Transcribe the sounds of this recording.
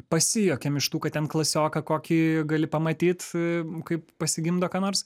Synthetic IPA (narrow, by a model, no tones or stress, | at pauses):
pɐsʲɪjoːkʲɛmɪʃt̪uːkɐttʲɛnklˠɐsʲoːkɐkoːkʲiːɡɐlʲɪpɐmɐt̪ʲiːt̪kɐɪppɐsʲɪɡʲɪmd̪oːkɑːnoːɾs